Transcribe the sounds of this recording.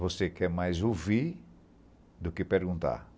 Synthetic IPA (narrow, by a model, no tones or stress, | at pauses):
vosekɛɾmajzoviɾ | d̪ʊkɪpeɾɡũnt̪a̰ɾ